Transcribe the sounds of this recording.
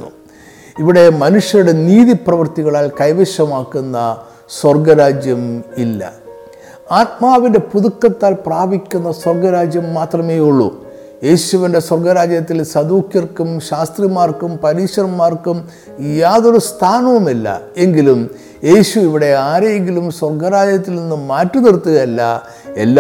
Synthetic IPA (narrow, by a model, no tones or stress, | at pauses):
ṵ | iʋiɽe̞mɐnuʂjɐɾuɽe̞niːðiprɐʋɐrt̪iɣɐɭaːlkɐjʋeʂɐmaːkːunːɐ | swɐrɡɐɾaːd͡ʑjɐmilːɐ̰ | aːt̪̚maːʋinde̞puðukːɐt̪ːaːlpraːbʱikʲːunːɐswɐrɡɐɾaːd͡ʑjɐmːaːt̪rɐme̞ːjuɭːṵ | je̞ːɕuʋinde̞swɐrɡɐɾaːd͡ʑjɐt̪ːilsɐd̪uːkjɐrkːumɕaːst̪rimaːrkumpɐɾiːʂɐrmaːrkum | jaːðoɾust̪ʰaːnɐʋɐmilːɐ̰e̞ŋɡilum | je̞ːɕuiʋiɽe̞aːɾejeŋɡilumswɐrɡɐɾaːd͡ʑjɐt̪ːilninːuːaːtːunirt̪ːuɣɐilːɐ̰ | e̞̰lː